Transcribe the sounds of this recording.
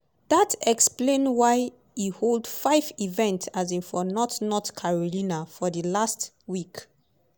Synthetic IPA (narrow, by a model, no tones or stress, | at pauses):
datɛksplẽnwaɪ | iholdfaɪvivɛ̃ntsazĩnfɔnɔtnɔtkʰaɹɔlĩnafɔdəlast | wik